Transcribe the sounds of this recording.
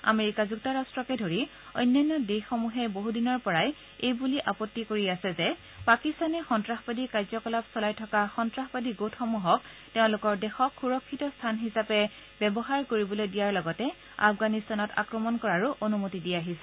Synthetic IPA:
a̰meɹikazuktaɹastɹɔkɛdʱoɹi | o̰jnːajnːɔdexomuɦɛboɦudinɔɹpɔɹaj | ejbuliʔapɔtːikoɹiasɛzɛ | pakistanɛxɔntɹaxpadikaɹzɔkɔlapsɔlajtʰɔkaxɔntɹaxpadiɡotʰxɔmuɦɔk̚ | teʊ̃lʊkɔɹdɛxɔkʰxuɹɔkʰːitɔstʰanɦisapɛ | bɛbɔɦaɹkoɹibɔlojdijaɹlɔɡɔtɛ | a̰fɡanistanɔta̰kɹɔmɔnkɔɹaɹuʔonumotidijaɦisɛ̥

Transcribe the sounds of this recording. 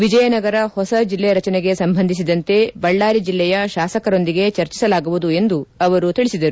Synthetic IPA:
ʋid͡ʒɐjɐnɐɡɐɾɐhɔsɐd͡ʒilːɛjɐɾɐt͡ʃɐneɡe̞sɐmbʱɐnd̪ʱis̬id̪ɐnt̪e̞bɐɭːaːɾid͡ʒilːɛjɐʃaːsɐkɐɾo̞nd̪iɡe̞t͡ʃɐɾt͡ʃi̥sɐlaːɡuʋud̪ue̞nd̪uɐʋɐɾut̪iɭisid̪ɐɾu

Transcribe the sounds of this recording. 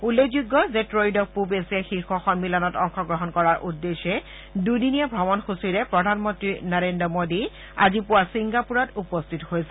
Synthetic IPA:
ulːoɡzuɡːɔzɛtɹojdɔk̚pupesiaxixɔxɔmmilanɔtɔŋxɔɡɹɔɦɔnkɔɹaɹʔudːeʃɛ | dudinijabʱɔbɔnxusiɹɛpɹɔdʱanmɔntɹinaɹendɹɔmodi | a̰zipuasiŋɡapuɹatupɔstʰithojsɛ

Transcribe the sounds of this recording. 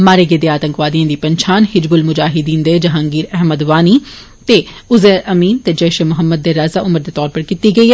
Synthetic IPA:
maːɾeːɡeːd̪eːaːt̪əŋkʋaːd̪ijãːd̪iːpəɲt͡ʃʰaːnhɪd͡ʒbʊlmʊd͡ʒaːɦɪd̪iːnd̪eːd͡ʒɐɦãːŋɡiːɾɛɦməd̪ʋaːniː | t̪eːʊzeːɾʔəmiːnt̪eːd͡ʒɛːʃemʊɦəmːəd̪̚ːeːɾaːzaːʔʊməɾd̪eːt̪ɔːɾpəɾkit̪iːɡəiːɦɛ

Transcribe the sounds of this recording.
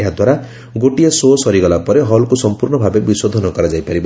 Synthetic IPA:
eɦad̪waɾa | ɡoʈijasosɔɾiɡɔlapɔɾeɦɔlkusɔmpuɾɳɔbʱabebisod̪ʱɔnɔkɔɾad͡ʒajpaɾib

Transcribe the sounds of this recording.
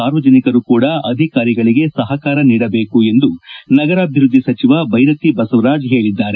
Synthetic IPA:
aːɾʋɐd͡ʒɐnikɐɾukuːɽɐɐd̪ʱikaːɾiɡɐɭiɡe̞sɐɦɐkaːɾɐniːɽɐbe̞ːkue̞nd̪unɐɡɐɾaːbʱjɾud̪ʱːisɐt͡ʃiʋɐbʱɐjɾɐt̪ibɐsuʋɾaːd͡ʒɦe̞ːɭid̪ːaːɾe

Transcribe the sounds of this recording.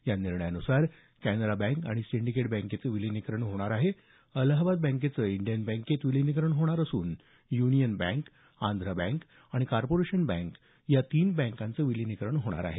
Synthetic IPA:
janiɾɳəjanusaɾ | kænəɾabɛ̃ŋka̰ɽ̃isiɳɖikeʈbɛ̃ŋket͡səʋilinikɾəɳɦoɽ̃aɾaɦe | ələɦbad̪̚bɛ̃ŋk̬et͡səiɳɖijənbɛ̃ŋket̪ʋilinikɾəɳɦoɽ̃aɾəsuːn | junijənbɛ̰̃ŋk | and̪ʱɾəbɛ̃ŋk | aɽ̃ikaɾpoɾeɕənbɛ̃ŋk | jat̪iːnbɛ̃ŋkãnt͡səʋilinikɾəɳɦoɽ̃a̰ɾa̰ɦe

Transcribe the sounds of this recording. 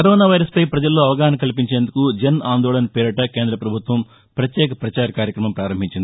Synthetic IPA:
kɐɾoːnaːʋɐjɾɐspɐjpɾɐd͡ʒɐlːo̞ːɐʋɐɡaːnɐkɐlip̬iɲt͡ʃeːnd̪ukud͡ʒɐnaːnd̪oːɭɐnɐpiɾɐʈɐke̞ːnd̪ɾɐpɾɐbʱut̪ʋɐm | pɾɐt̪jɛːkɐpɾɐt͡ʃaːɾɐkaːɾjɐkɾɐmɐmpɾaːɾɐmbʱiɲt͡ʃind̪i

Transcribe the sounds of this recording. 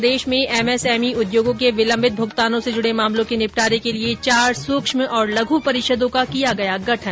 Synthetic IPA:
d̪eːʃmẽʔɛːmɛsɛːmiʊd̪joːɡõkeʋɪlɐ̃mbʱɪt̪̚bʱʊɡt̪aːnõsed͡ʒʊɽemaːmlõkenɪpʈaːɾekeliet͡ʃaːɾsʊːkʃmɔːɾlɐɡʱupɐɾɪʃəd̪õkakijaɡɐjaɡɐʈʰən

